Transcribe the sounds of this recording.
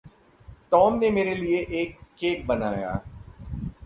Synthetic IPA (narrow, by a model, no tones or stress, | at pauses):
t̪ɔːmnemeːɾelieʔeːkːeːk̚bɐnaːja̰ː